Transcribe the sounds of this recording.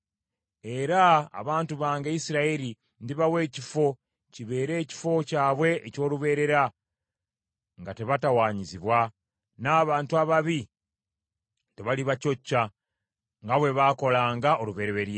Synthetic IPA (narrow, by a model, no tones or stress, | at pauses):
e̞ɾa̰ːβaːntuβaːŋɡeisiɾaeɾi | ndiβawe̞ːcifo̞ | ciβe̞ːɾe̞ːci̥fo̞caːβwe̞ːco̞ːluβe̞ːɾe̞ɾa | ŋɡate̞βatawaːɲiziβwa | naːβaːntuaβaβi | te̞βaliβaco̞cːa | ŋɡaβwe̞βaːko̞laːŋɡaʔo̞luβe̞ːɾeβe̞ɾje